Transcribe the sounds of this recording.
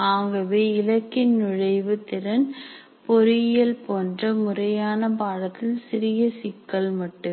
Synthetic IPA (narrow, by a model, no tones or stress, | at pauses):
aːŋɡɐʋeːɪlɐkːɪnnʊɻɐɪʋɯt̪ːɪɾɐn | pɔɾɪjɐlpoːndrɐmʊrɐjaːnɐpaːɻɐt̪ːɪlsɪɾɪjɐsɪkːɐɭmɐʈːɯm